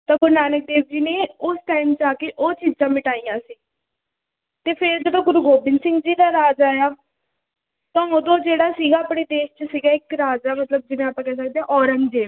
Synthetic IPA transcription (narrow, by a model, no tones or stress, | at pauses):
t̪ãːɡʊɾnaːnək̚d̪eːbd͡ʒiːneːʊsʈaːɪmt͡ʃaːkeːʔoːt͡ʃiːd͡ʒãːmɪʈaːijãːsiː | t̪eːpʰɪɾd͡ʒed̪õːɡʊɾuːɡoːbɪnsɪ̃ŋɡd͡ʒiːd̪aːɾaːd͡ʒaːjaː | t̪ãːoːd̪õːd͡ʒeːɽaːsiːɡaːəpɽeːd̪eːʃt͡ʃəsiːɡaːɪkɾaːd͡ʒaːmət̪ləb̚d͡ʒɪnẽːaːpãːkɛːs̬ək̚d̪eãːʔɔːɾənd͡ʒeː